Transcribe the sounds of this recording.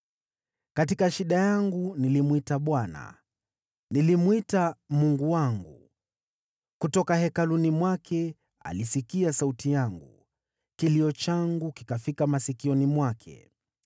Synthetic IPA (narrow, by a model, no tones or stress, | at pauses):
katikaʃiɗajaŋɡunilimwitaɓwana̰ | nilimwitamuŋɡuwaŋɡu | kutɔkahɛkalunimwakʰɛ | a̰lisikiasautijaŋɡu | kiliɔt͡ʃaŋɡuki̥kafikamasikiɔnimwakʰɛ̰